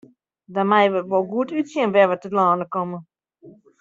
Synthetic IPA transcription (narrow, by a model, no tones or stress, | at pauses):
damɛjʋətʋolˠɡuətytsjiənʋɛʋətətlaːndəkɔmə